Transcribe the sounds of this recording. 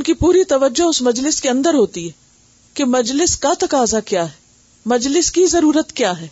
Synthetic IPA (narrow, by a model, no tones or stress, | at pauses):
ʊnkipuːɾit̪ɐʋəd͡ʒoɦʊsmɐd͡ʒlɪskeɐ̃nd̪əɾɦoːt̪iɦɛː | kemɐd͡ʒlɪskat̪ɐkaːzakjaːɦɛ | mɐd͡ʒlɪskizɐɾuːɾət̪kjaːɦɛː